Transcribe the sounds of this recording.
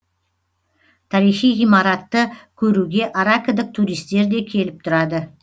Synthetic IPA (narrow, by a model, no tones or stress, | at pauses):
t̪ʰɑɾijχijʁijmɑɾat̪ːəkʲʰɵɾuɡʲe̞ʔaɾakəd̪əq̚t̪ʰuɾijst̪e̞ɾd̪e̞kʲʰe̞lɪp̚t̪ʰʊɾɑd̪ə